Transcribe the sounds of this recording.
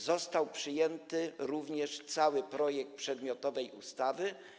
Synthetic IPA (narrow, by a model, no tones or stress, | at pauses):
zɔst̪awpʂɘjɛnt̪ɘɾuvɲɛʂt̪sawɘpɾɔjɛk̚t̪̚pʂɛd̪mʲjɔt̪ɔvɛjṵst̪avɘ